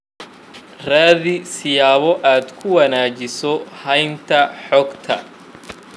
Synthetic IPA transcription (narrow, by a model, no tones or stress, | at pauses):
raːðɪsɪjaːβɔʔaːd̪kʰʊwɐnaːt͡ʃɪsɔhɐjnt̪ʰɐħɔːɡt̪ʰɐ̰